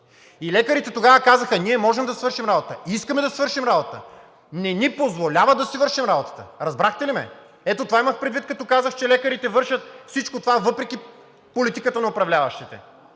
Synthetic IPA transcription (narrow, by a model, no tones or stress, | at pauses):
ilɛkəɾit̪ɛt̪oɡavəkazəxəniɛmɔʒɛmd̪ɐsvɤɾʃimɾabot̪əiskɐmɛd̪ɐsvɤɾʃimɾabot̪t̪ə̰ | nɛnipozvolʲavəd̪ɐsivɤɾʃimɾabot̪ə̥t̪əɾɐzbɾaxt̪ɛlimɛ̰ | ɛt̪ot̪ovaiməxpɾɛd̪vit̪̚kɐt̪ɔkazəxt͡ʃɛlɛkəɾit̪ɛvɤɾʃɐt̪̚fsit͡ʃkot̪ovavɤpɾɛkʲi | polit̪ikət̪ənɐopɾɐvlʲavɐʃt̪it̪ɛ̰